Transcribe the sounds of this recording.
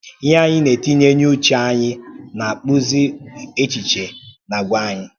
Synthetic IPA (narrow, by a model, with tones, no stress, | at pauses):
ɲa˦ɲɪ˦ne˨ti˦ɲe˦ɲ˦u˦t͡ʃaa˦ɲɪ˦na˨k͡pu˦zi˦e˦t͡ʃi˨t͡ʃe˨na˨ɡʷa˦˨ɲɪ˦